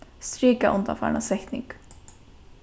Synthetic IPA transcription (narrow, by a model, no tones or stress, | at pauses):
st̪ɾiːkaʔʊnd̪a̰fa̰ːna̰sɛht̪nɪ̰ŋk